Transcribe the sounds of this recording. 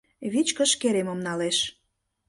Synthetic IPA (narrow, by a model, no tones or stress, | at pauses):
βit͡ɕkə̆ʃkeɾemə̆mnɑleʃ